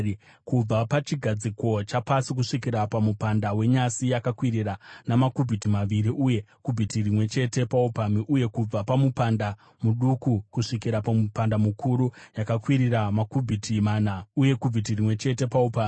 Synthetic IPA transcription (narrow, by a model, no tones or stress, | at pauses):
kub͡vapat͡ʃiɡʱad͡ziko̞t͡ʃapasikuʂikiɾapamupandawe̞ɲasijakakwiɾiranamakubʱitimaʋiɾiʔuje̞kubʱitirimwe̞t͡ʃe̞te̞paupamiʔuje̞kub͡vapamupanda | muɗukukuʂikiɾapamupandamukʰuɾujakakwiɾiramakubʱitʰimaːnauje̞kubʱit̬irimwe̞t͡ʃe̞te̞paupaːmi